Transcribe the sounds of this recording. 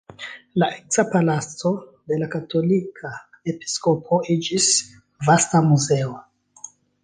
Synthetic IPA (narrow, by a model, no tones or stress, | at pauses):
laʔeksapalat͡so̞ | de̞lakatʰo̞likʰa | e̞pi̥skopʰo̞id͡ʒis | vastamuze̞o